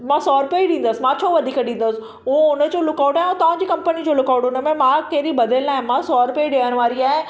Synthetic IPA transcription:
mãːsɔːɾpeiɗĩːnd̪əsɪ̆mãːt͡ɕʰoːʋɐd̪ʱiːkəɗĩːn̆d̪əsɪ | ɦuẽʊnə̆d͡ʑoːlʊkaːʊʈaːɦɪʊ̃t̪ɐʋãɲd͡ʑiːkɐ̃mpənid͡ʑoːlʊkaːʊʈʊnə̆mẽmãːkɐɦɪɾibɐd̪ʱəlnaːɦɪ̃mãːsɔːɾpeiɗejəɽ̃ʋaːɾiaːɦɪ̃

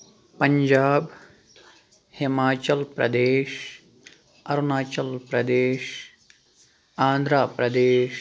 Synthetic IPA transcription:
pɐɲd͡ʒaːb | himaːt͡ʃɐlpɾɐ̰d̪eːʃ | ɐɾunaːt͡ʃɐlpɾɐd̪eːʃ | aːnd̪ʱɾaːpɾɐd̪eːʃ

